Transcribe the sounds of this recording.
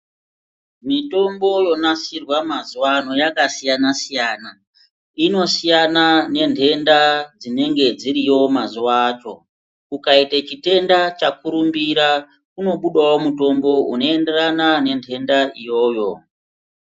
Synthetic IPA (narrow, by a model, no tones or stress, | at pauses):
mito̞mbo̞jo̞nasirwamazuwano̞jakasijanasijaːna | ino̞sijanane̞nde̞ndad͡zine̞ŋɡe̞d͡ziɾijo̞mazuaːt͡ʃo̞̰ | kukaitat͡ʃite̞ndat͡ʃakuɾumbiɾa | kuno̞ɓuɗawo̞muto̞mbo̞ṵno̞e̞nde̞ranane̞ntʰe̞ndaijo̞ːjo̞